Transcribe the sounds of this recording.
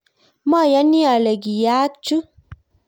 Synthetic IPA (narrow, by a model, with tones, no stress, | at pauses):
mɔ˦˨ja˨˦ni˦a˨lɛ˨ɡi˨jaː˨˦t͡ʃu˦